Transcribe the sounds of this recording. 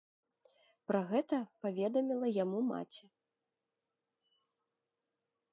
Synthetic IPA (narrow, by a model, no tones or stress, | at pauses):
pɾɐɣɛt̪ɐpavʲɛd̪ɐmʲilˠɐjamuma̰t͡sʲɛ